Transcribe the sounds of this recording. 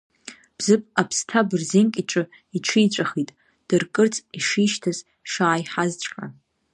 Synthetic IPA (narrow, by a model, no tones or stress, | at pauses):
b̥zɨpʼapʰstʰabɨrzenkʲʼit͡ʃʷʼɨ | iʈ͡ʂʷʰijt͡ɕʷʼaχitʼ | d̥ɨrkʼɨrt͡sʼiʂiʃtʰaz | ʂaːjħazt͡ʃʷʰʼkʼa̰